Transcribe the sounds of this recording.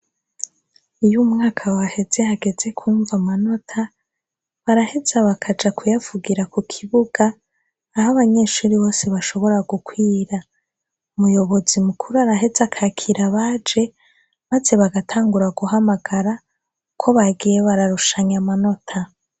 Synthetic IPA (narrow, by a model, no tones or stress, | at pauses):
ujumŋaːkʰawahe̞ze̞haɡe̞ze̞kʰuːɱvamano̞tʰa | βaɾahe̞zaβakʰad͡ʒakʰujavuɡiɾakukʰiβuɡ̥aː | haβaɲe̞ːʃuːɾiβo̞ːseβaʃo̞βo̞ɾaɡukwiːɾa | umujo̞βo̞zimukʰuɾuaɾaɦe̞zakʰakʰiɾaβaːd͡ʒe̞ | maze̞βaɡatʰaːŋɡuɾaɡuhamaɡ̥aɾa | kʰo̞βaɡije̞βaɾaɾuʃaɲamano̞tʰa